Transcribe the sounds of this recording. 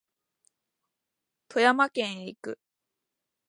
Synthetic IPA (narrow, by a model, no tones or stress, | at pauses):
t̪ʰo̞jamakẽ̞ɰ̃eikɯ̟̰